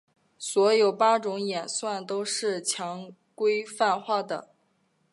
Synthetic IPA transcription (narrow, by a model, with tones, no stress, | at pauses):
swɔ˧˥jo˨˩ʊpa˥ʈ͡ʂʊ˧˥ŋjɛ˨˩nswa˥˩nt̪o˥ʊʂɻ̩˥˩t͡ɕʰjɑ˧˥ŋ | kwe˥ɪfa˥˧nxwa˥˩d̪ə̰˩